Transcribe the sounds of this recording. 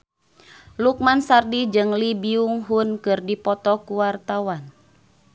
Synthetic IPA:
luk̚mansardid͡ʒɨŋlibiuŋɦunkɨrdipɔt̪ɔkuwart̪awan

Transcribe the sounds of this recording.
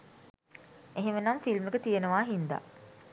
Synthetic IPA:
eɦemənamfilmekət̪ijenəʋaːɦind̪a̰

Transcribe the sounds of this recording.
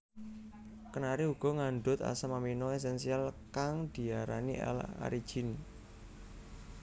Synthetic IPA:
kənaɾiuɡ̥ɔ̤ŋaɳɖʊt̪a̰samaminɔes̬ɛnsialkaŋd̪̥i̤aɾa̰nḭʔɛ̰la̰ɾid̥ʒ̥ɪn

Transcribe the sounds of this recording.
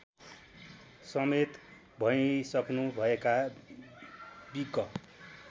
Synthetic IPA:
sʌmet̪ | bʱʌisʌknubʱʌeka | biɡʌ

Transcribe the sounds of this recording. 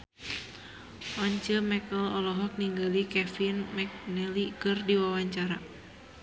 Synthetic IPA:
ʔɔɲt͡ʃəmɛkəlɔlɔɦɔk̚niŋɡalikɛfinmɛk̚nɛlikɨrdiwawaɲt͡ʃaɾa

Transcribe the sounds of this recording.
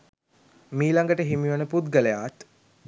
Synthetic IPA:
miːlaŋɡəʈəɦimiʋənəput̪ɡələjat̪

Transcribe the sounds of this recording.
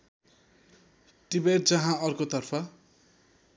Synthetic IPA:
ʈibeʈ̚d͡zʌɦãʌrkot̪ʌrpʰʌ

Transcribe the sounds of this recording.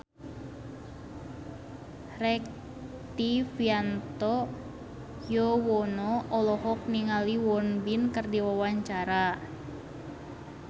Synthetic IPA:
rɛk̚ | t̪ifiant̪ɔ | jɔwɔnɔɔlɔɦɔk̚niŋaliwɔnbinkərdiwawaɲt͡ʃaɾa

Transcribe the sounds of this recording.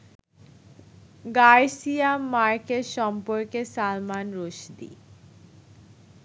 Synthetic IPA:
ɡaɾsiamːaɾkeʃɔmpoɾkesalmanɾoʃd̪ḭ

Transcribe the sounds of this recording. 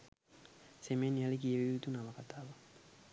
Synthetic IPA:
semenialikijeβiit̪unaβakataβa

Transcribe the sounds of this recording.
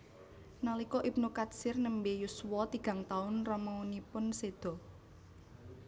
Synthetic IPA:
nalikɔʔip̚nukat̪sɪrnəmbejuswɔt̪iɡ̥ä̤ŋt̪aʊnrɔmaunipʊnsed̪̥ɔ̤

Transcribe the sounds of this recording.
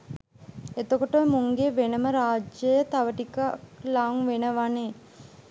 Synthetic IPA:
et̪okoʈəʋemuŋɡeʋenəməɾaːd͡ʒəjət̪aʋəʈikaklaŋʋenəʋaneː

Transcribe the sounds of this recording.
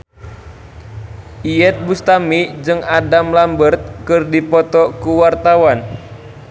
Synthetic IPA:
ʔijɛt̪̚bust̪amid͡ʒɨŋadamlambərt̪̚kɨrdipɔt̪ɔkuwart̪awan

